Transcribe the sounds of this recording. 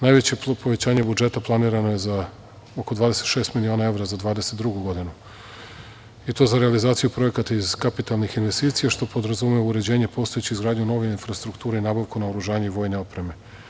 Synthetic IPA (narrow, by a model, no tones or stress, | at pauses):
naːjʋe̞t͡ɕe̞po̞ʋe̞t͡ɕaːɲe̞bud͡ʒe̞t̪aplˠaniːɾano̞je̞za | okod̪ʋaːd̪e̞set̪ʃest̪milio̞ːnae̞ʋɾazad̪ʋaːd̪ese̞t̪d̪ɾuɡuɡo̞d̪inu | it̪o̞ːzaɾealizaːt̪sijupɾo̞je̞kat̪aiz̥kapit̪alˠnixinʋe̞st̪iːt̪sijaʃt̪o̞po̞d̪ɾazumeuɾe̞d͡ʑe̞ːɲe̞po̞ːst̪ojet͡ɕizɡɾaːd̪ɲuno̞ʋeinfɾast̪ɾukt̪uːɾeinaːbaʋkunaoɾuʒaːɲeiʋo̞jne̞o̞pɾe̞me̞